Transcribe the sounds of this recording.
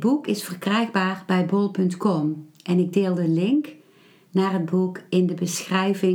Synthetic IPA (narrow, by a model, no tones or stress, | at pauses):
bukɪsfərkrɛjɣbaːrbɛjbɔlˠpɵntkɔmɛnɪɡ̚deːlˠdəlɪŋk | naːrɦəd̚bukɪndəbəsxrɛjvɪ